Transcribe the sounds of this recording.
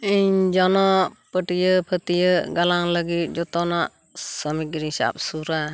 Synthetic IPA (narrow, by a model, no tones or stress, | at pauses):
iɲd͡ʒɔnɔpəʈijəpʰət̪ijəɡalaŋləɡit̪̚d͡ʒɔt̪ɔnaʔ | səmikɾisa̰p̚suɾa